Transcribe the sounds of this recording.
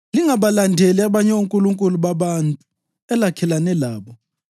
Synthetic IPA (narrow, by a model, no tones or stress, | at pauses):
liŋaɓalandʱeliaɓaɲɛuŋkʼuluŋkʼuluɓaɓantʼu | ɛlakʰɛlanɛlaːɓɔ